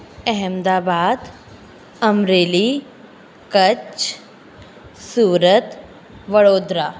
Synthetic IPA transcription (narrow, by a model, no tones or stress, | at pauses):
əɦɛmd̪aːbaːd̪ | əmɾeːliː | kət͡ʃ | suːɾət̪ | ʋəɭoːd̪ɾa